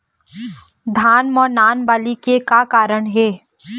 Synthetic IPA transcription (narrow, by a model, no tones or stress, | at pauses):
d̪ʱaːnmɔːnaːnbaːlikekakaːɾəɳ̃ɦeː